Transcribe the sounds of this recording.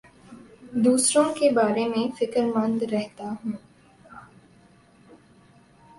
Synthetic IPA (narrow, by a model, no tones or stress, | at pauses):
d̪uːsɾõːkebaːɾemẽfɪkəɾmɐnd̪ɾɛɦt̪aːɦũː